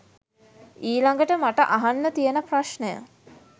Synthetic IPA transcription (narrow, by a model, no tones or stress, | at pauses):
iːlaŋɡəʈəmaʈəʔaɦanːət̪ijənəpraʃnəjə̰